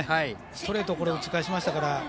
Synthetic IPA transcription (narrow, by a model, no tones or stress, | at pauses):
ha | st̪o̞ɾe̞t̪ːoko̞ɾeɯt͡si̥kaɕ̬imaɕi̥t̪akaɾa